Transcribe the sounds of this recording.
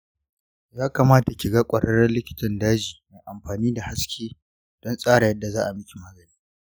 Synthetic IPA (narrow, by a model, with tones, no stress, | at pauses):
jaː˦ka˨maː˦ta˨kʲɪ˨ɡa˦kʷʼɐ˨ɽɐ˦ɽɐ˦nlɪ˦kʲɪ̥˦tɐ˨ndaː˦d͡ʒiː˨maː˨ʔa˨mɸaː˨niː˦da˨ha˦skʲeː˦ | d̥ɔ˦nsʼaː˦ɽa˨jɐ˦dːa˨zaː˦ʔa˨mɪ˦kʲi˨maː˦ɡɐ˨niː˦iː